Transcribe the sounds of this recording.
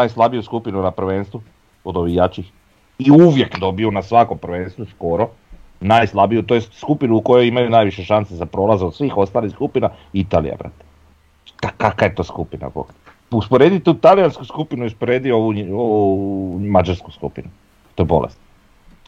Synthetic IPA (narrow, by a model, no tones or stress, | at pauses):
najslˠabijuskupinunapɾʋenst̪ʋu | od̪o̞ʋixjat͡ʃix | iuʋje̞kd̪o̞biunasʋako̞mpɾʋe̞nst̪ʋusko̞ɾo | najslˠabijut̪ojesskupinuːko̞jojimajunaːjʋiʃeʃansezapɾolˠazod̪sʋiːxo̞st̪aːlixskupinait̪aːlḭja̰bɾa̰ːt̪e̥ | kakakaje̞t̪o̞ːskupina̰po̰k | uspoɾe̞d̪it̪ut̪alijanskuskupinuuspoɾed̪ioʋuoumad͡ʒaɾsku̥skṵpinu | t̪oebo̞lḛst̪